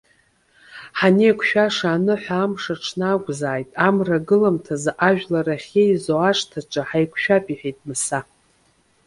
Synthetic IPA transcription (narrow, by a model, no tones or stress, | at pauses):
ħanejkʷʰʃᶣaʂaːnɨħʷaːmʂaʈ͡ʂʰnaːɡʷʼzaːjtʼamraɡɨlamtʰazʔaʒᶣlaraχʲejzoaʂtʰaʈ͡ʂʼaħajkʷʰʃᶣapʼiħᶣejtʼmɨsa